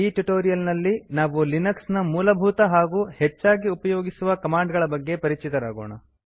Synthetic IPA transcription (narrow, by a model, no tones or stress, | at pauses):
iːʈuʈoːɾijɐlnɐlːinaːʋulinɐksnɐmuːlɐbʱuːt̪ɐɦaːɡuːhet͡ʃːaːɡiupɐjo̞ːɡisuʋɐkɐmaːɳɖɡɐɭɐbɐɡːe̞pɐɾit͡ʃʰit̪ɐɾaːɡo̰ːɳɐ